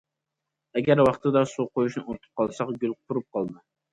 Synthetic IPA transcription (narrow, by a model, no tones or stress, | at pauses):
ɛɡʲæɾwɑχt̪ʰɨd̪ɑsuqʰojuʃnɨot̪ʰɨ̥p̚qʰɑlˠsɑqɡʲølˠqʰʊɾup̚qʰɑlˠd̪ɨ